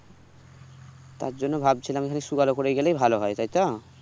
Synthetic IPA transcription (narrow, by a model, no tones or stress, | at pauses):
t̪a̰ɾd͡ʑonːobʱab̚t͡ɕʰilamekʰaneʃuɡalokoɾejɡelejbʱaloɦɔet̪ajt̪ɔ